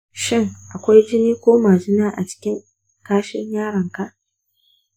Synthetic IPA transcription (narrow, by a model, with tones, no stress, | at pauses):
ʃɪ˦˨ŋʔa˨kʷa˦jd͡ʒɪ˦niː˦kʷoː˦maː˨d͡ʒɪ˦naː˦ʔa˨t͡ʃɪ̥˦kʲɪ˦ŋ | kaː˦ʃɪ˦ɲjaː˦ɽɐ˨ŋka˦ʔ